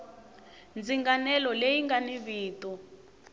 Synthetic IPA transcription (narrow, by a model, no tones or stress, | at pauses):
nd͡ziŋɡanɛlɔlejiŋɡaniβiːtu